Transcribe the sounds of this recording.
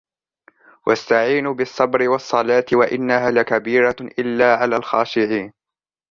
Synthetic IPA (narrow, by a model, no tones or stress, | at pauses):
wʔast̪aʕiːnbɪsˤːɑbɾɪwɑsˤːɑlaːt̪ɪwaʔɪnːaɦaːlakabiːɾaʔɪlːaːʕalaːlxɑːʃɪʕiːn